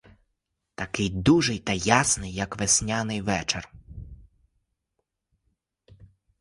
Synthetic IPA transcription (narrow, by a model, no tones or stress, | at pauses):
t̪ɐkɪjd̪uʒɪjt̪ɐjasnɪjːɐkʋesʲnʲanɪjʋɛt͡ʃer